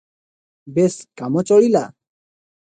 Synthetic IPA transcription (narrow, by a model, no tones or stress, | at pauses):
beskamɔt͡ʃɔɽila